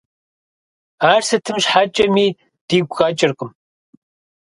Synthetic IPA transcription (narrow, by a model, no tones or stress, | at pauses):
aːrsɐtʰɨmʃħat͡ʃʼɐmiː | d̥iːɡʷɣaːt͡ʃʼɪrqʼəm